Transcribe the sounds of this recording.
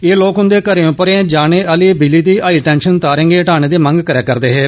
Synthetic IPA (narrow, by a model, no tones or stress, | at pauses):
eːloːkɦʊ̃nd̪eːkəɾeːõːpəɾẽd͡ʒaːneːʔəliːbiliːd̪iːʔaːiːʈɛːnʃənt̪aːɾẽːŋɡeːʈaːneːd̪eːmə̃ŋɡkəɾɛːkːəɾd̪eːɦeː